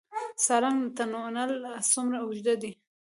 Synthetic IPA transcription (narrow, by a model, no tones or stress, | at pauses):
sɑɾaŋt̪anonalasumɾaʊʒd̪ad̪i